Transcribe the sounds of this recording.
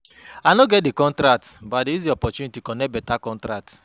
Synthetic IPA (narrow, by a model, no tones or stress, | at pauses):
anoɡɛt̚dekɔ̃ntɾak̚tbadiizdiɔpɔt͡ʃunitikɔ̃nɛt̚bɛtakɔ̃ntɾak̚t